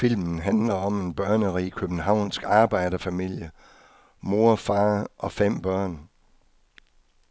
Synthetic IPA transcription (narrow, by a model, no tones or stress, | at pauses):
fil̰mn̩ɦænlɐɒ̽me̝nb̥ɶɐnəʁḭkʰøb̥n̩ɦɑ̈ʊ̰nsɡ̥ɑ̈ːb̥ɑ̈ɪ̰dɐfæmil̰jə | mo̝ɐfɑ̈ːʔɒ̽fem̰b̥ɶɐ̰n